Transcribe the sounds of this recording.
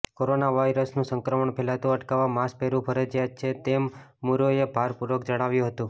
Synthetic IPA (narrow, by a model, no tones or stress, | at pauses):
koɾonaʋaiɾəsnũsəŋkɾəməɳpʰɛlat̪ũəʈkaʋamaspeɾũpʰəɾəd͡ʒjat͡ʃʰet̪emː | uɾoebʱaɾpuɾəkd͡ʒəɽ̃aʋjũɦət̪ũ